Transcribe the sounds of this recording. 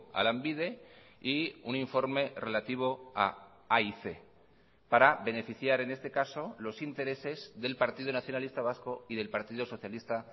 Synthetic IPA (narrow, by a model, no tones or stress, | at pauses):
a̰lambiðe̞ | iuniɱfo̞ɾme̞re̞lat̪iβ̞o̞a̰ | aiθe̞ | paɾabe̞ne̞fiθjaɾe̞ne̞st̪e̞kaso̞lo̞sint̪e̞ɾe̞se̞zðe̞lpaɾt̪iðonaθjo̞nalist̪aβ̞asko̞iðe̞lpaɾt̪iðoso̞θjalist̪a